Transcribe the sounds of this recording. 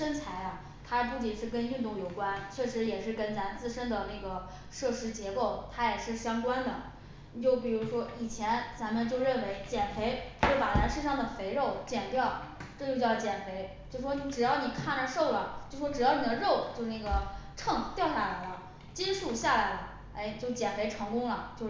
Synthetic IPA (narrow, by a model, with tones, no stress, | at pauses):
ʂə˥nt͡sʰa˧˥ɪa˧ | t̪ʰa˥pu˥˩t͡ɕi˥˩ʂɻ̩˥˩kə˥ny˥˧nt̪ʊ˥˩ŋjo˨˩ʊkwa˥nt͡ɕʰɥɛ˥˩ʂɻ̩˧˥jɛ˨˩ʂɻ̩˥˩kə˥nna˧˥nt͡sɹ̩˥˩˧ʂə˥nd̪ə˨˩na˥˩ɡə˩ | ʂɤ˥˩ʂɻ̩˧˥t͡ɕjɛ˧˥ko˥˩ʊt̪ʰa˥jɛ˨˩ʂɻ̩˥˩ɕjɑ˥ŋkwa˥nd̪ə˨˩˨ | t͡ɕjo˥˩ʊp̬i˨˩ɻu˧˥ʂwɔ˥i˨˩t͡ɕʰjɛ˧˥nt͡sa˧˥mə˧nt͡ɕjo˥˧ʊɻə˥˩nwe˧˥ɪt͡ɕjɛ˨˩nfe˧˥ɪt͡ɕjo˥˩ʊpa˨˩na˧˥nʂɻ̩˥˧ʂɑ˥˩ŋd̪ə˩fe˧˥ɪɻo˥˩ʊt͡ɕjɛ˨˩nt̪jɑ˥˩ʊ | ʈ͡ʂɤ˥˧t͡ɕjo˥˧ʊt͡ɕjɑ˥˩ʊt͡ɕjɛ˨˩nfe˧˥ɪt͡ɕjo˥˩ʊʂwɔ˥ni˧˥ʈ͡ʂɻ̩˨˩jɑ˥˩ʊni˨˩kʰa˥˩nə˧˥ʂo˥˩ʊlə˨˩t͡ɕjo˥˩˧ʊʂwɔ˥ʈ͡ʂɻ̩˨˩jɑ˥˩ʊni˨˩d̪ə˧ɻo˥˧ʊt͡ɕjo˥˧ʊna˥˩ɡə˩ʈ͡ʂʰɤ˥˧ŋt̪jɑ˥˧ʊɕja˥˩la˧˥ɪlə˧ | t͡ɕi˥nʂu˥˩ɕja˥˩la˧˥ɪlə˧ | e˥˩ɪt͡ɕjo˥˩ʊt͡ɕjɛ˨˩nfe˧˥ɪʈ͡ʂʰɤ˧˥ŋkʊ˥ŋlə˨t͡ɕjo˥˧ʊ